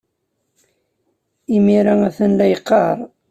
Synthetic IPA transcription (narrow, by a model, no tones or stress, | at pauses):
imiɾææθənlæjqːɑɾˤ